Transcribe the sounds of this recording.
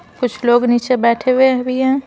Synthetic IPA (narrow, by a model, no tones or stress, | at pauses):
kʊt͡ʃʰloːɡniːt͡ʃebɛːʈʰewebʱiɦɛ̃ː